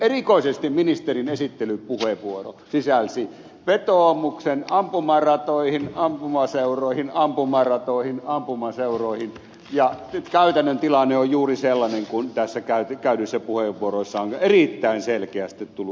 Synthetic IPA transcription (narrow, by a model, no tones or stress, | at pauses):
erikoˑisest̪imminist̪erinesit̪ːelypuheʋʋuoro̰sisælsi | ʋet̪oˑmuksenɑmpumɑrɑt̪oihinɑmpumɑseuroˑihinɑmpumɑrɑt̪oˑihinɑmpumɑseuroˑihin | jɑtkæyt̪ænːønt̪ilɑnːeojjuːriselːɑneŋkunt̪æsːækæyt̪kæˑyɾysːæpuheʋʋuoroisːɑoŋerit̪ːæinselkeæst̪it̪t̪ulu